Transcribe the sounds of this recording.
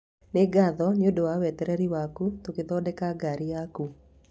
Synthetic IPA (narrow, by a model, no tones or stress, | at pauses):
neɡaðɔneodowawɛtɛɾɛɾiwakutokeðɔːdɛkaɡaɾijaku